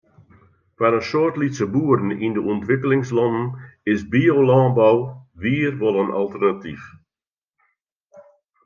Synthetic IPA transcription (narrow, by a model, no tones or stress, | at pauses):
kanənsoərtlitsəbuəɾən̩indəɔntʋɪkəlɪŋslɔnən̩ɪsbioːlɑːnbɔwʋiərʋɔlˠənʔa̰lˠtərnatif